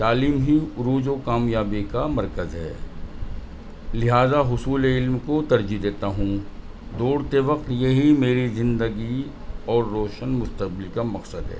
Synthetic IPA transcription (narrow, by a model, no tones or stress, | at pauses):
t̪aːliːmɦiʊɾuːd͡ʒokaːmjaːbikamɐɾkəzɦɛ̰ː | lɪɦaːzaɦʊsuːleɪlmkot̪ɐɾd͡ʒid̪eːt̪aɦũ | d̪oːɽt̪eʋɐq̚t̪jɐɦimeːɾizɪ̃nd̪əɡi | ɔːɾːoːʃənmʊst̪ɐq̚bɪlkamɐqsəd̪ɦɛ̰ː